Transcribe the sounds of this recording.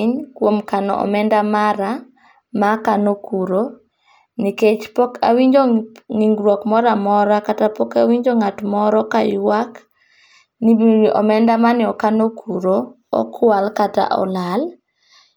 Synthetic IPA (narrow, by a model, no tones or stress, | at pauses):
ɲkwomkanɔ̰ʔɔ̰mɛndamaɾa | makanokuɾo | niket͡ʃpɔka̰wiɲd͡ʒoŋiŋɡɾwɔkmɔɾamɔɾakatapɔkawiɲd͡ʒoŋatmɔɾɔkajwak | niʔɔ̰mɛndamanɪɔkanokʰuɾo | ɔ̰kʰwalkata̰ʔɔ̰lal